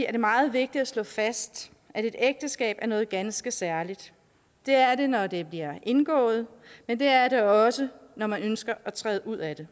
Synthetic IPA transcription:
iæɐd̥e̝mɑ̈ːð̞̩ˠʋe̝ɡ̥̚d̥id̥æslɔ̰̽ːfæsd̥ | ʔæde̝d̥eɡ̥̚d̥əsɡ̥ɛ̰ːb̥æɐnɔ̽ːð̞̩ˠɡ̥ænsɡ̥əsæɐlid̥ː | e̝æɐde̝nɒd̥e̝b̥liɐʔe̝nɡ̥ɔ̰̽ːð̞̩ˠmend̥e̝æɐɾeɒ̽sənɒmænønsɡ̥ɐʔæt͡sʰʁɛ̰ːðˠʔuð̞̰ˠæd̥e̝

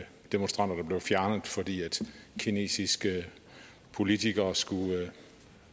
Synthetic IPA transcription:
d̥e̝monsd̥ʁɑ̈n̰d̥ɐd̥ɑ̈b̥le̝ʊfjæɐnəð̩ˠfɒ̽d̥ḭːæd̥kʰine̝̰ːsisɡ̥ə | pʰo̝lit͡sʰiɡ̥ɐːsɡ̥u

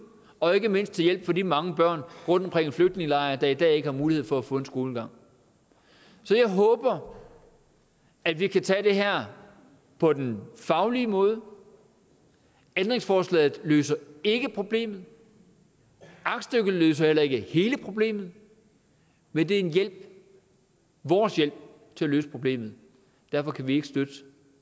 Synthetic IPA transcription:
ɒ̽e̝ɡ̥əme̝n̰sd̥̚t͡sʰe̝ljel̰b̥fɒ̽d̥ḭːmɑ̈ŋəb̥ɶɐ̰nʁɔ̽n̰d̥ɒ̽mkʰʁeŋ̰enfløɡ̥̚d̥ne̝ŋəlɑ̈ɪɐd̥ɑ̈id̥ɛ̰ːe̝ɡ̥əhɑ̈muːlihe̝ð̰ˠfɒ̽æfɔ̽ːe̝nsɡ̥o̝ːləɡ̥ɑ̈ŋ̰ | sɒ̽jɑ̈ɪɦɔ̽ːb̥ɐ | æd̥ʋikʰæt͡sʰɛ̰ːd̥e̝ɦæɐ̰ | pʰɒ̽d̥enfɑ̈ʊliːmɔ̽ːð̞ˠə | end̥ʁeŋsfɒːslɛ̰ːð̩ˠlø̰ːsɐe̝ɡ̥əpʰʁo̝b̥le̝̰ːmð̞̩ˠ | ɑ̈ɡ̥sd̥øɡ̥əð̩ˠløːs̬ɐhel̰ɐe̝ɡ̥əhe̝ːləpʰʁo̝b̥le̝̰ːmð̞̩ˠ | mend̥e̝æɐe̝njel̰b̥̚ | ʋɒːsjel̰b̥̚ | t͡sʰe̝æløːspʰʁo̝b̥le̝̰ːmð̞̩ˠ | d̥æɐfɒ̽kʰæʋie̝ɡ̥əsd̥ød̥ə

